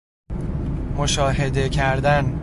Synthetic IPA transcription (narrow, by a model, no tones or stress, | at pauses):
moʃɒːɦe̞d̪e̞cʰæɾd̪æn